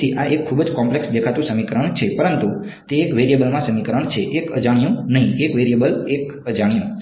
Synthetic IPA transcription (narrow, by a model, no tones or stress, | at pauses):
iʔaʔekʰːubəd͡ʒkɔmpleksd̪ekʰat̪ũsəmikəɾəɳ̃t͡ʃʰepəɾənt̪u | t̪eːkʋeɾijebəlmãsəmikəɾəɳt͡ʃʰeʔekəd͡ʒaɽ̃ijũnəɦĩekʋeɾijebəlek | əd͡ʒaɽ̃ijũ